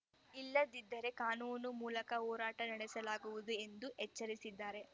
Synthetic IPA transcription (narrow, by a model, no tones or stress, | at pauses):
ilːɐd̪id̪ːɐɾe̞kaːnuːnumuːlɐkɐɦɔːɾaːʈɐnɐɽɛsɐlaːɡuʋud̪ue̞nd̪uʔɛt͡ʃːɐɾisid̪ːaːɾe̞